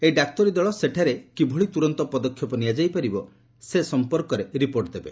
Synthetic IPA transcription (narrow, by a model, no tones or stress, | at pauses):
eɖak̚t̪ɔɾid̪ɔɭɔseʈʰaɾekibʱuɭit̪uɾɔnt̪ɔpɔd̪ɔkʰjɔpɔnijad͡ʒajpaɾibɔ | sesɔmpɔɾkɔɾeɾipoɾʈd̪ebe